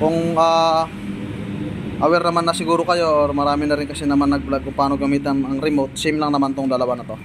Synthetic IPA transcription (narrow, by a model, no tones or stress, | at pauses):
kʊŋʔaː | ʔɐwɛɾnɐmanːɐsɪɡuːɾokɐjo̞ʔoɾmɐɾaːmɪnɐɾɪŋkɐsɛnɐmanːɐɡ̚blaɡ̚kʊŋpaːnoɡɐmiːt̪ɛnɐŋɾɪmot̪̚sɪmlɐŋnɐmant̪oŋd̪ɐlɐwanɐt̪o̞